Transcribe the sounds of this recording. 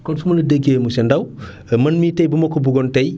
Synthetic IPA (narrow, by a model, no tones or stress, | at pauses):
kɔnfumɐlɐdəɡemusɛndɐw | mɐnmitɐjbumɐkːɔbuɡɔntɐj